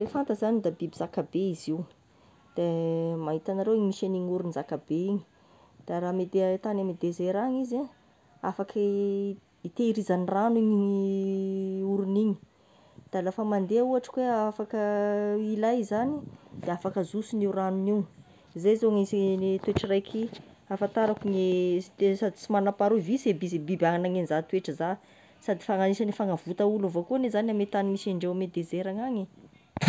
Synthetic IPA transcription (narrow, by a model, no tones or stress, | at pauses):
refant̪əzanid̪abibizakabeiziw | d̪̥emaɦit̪anaɾewiɲimiʃaniɲuɾunizakabeiɲi̥ | d̪̥aɾamed̪et̪anamed̪ezeɾaŋiza | a̰fak | it̪eiɾizaniraniɲi | uɾuniɲi̥ | d̪̥alafəmand̪eauaʈ͡ʂə̥kweafakəilajzanid̪̥eafakəzusiniuranuniw | izezoŋizit̪ueʈ͡ʂirajkʰi | afant̪aɾakuŋeesad̪i̥t͡simanapaɾuvisebizebibaŋanaŋenzat̪ueʈ͡ʂəza | sad̪ifaŋaniʃanifaŋavut̪aulavokunezaniamet̪animisaɳɖ͡ʐemed̪ezeɾaŋaɲi